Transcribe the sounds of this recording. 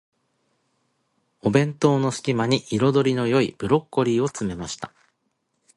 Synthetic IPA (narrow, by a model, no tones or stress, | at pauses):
o̞bẽ̞nt̪o̞ːno̞sɨ̥kʲimaɲ̟iʔiɾo̞d̪o̞ɾʲino̞jo̞ib̥ɯ̟ɾo̞kːo̞ɾʲiːo̞t͡sɨme̞maɕi̥t̪a